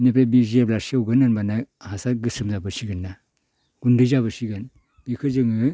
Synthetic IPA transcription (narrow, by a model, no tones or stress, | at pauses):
nep̬ɾebizeblaɾsiawɡɯnɯnbanahasaɡɯsɯmzabɯsiɡɯnːa | ɡ̥undɯjzaβɯsiɡan | b̥ikʰɯzɯŋɯ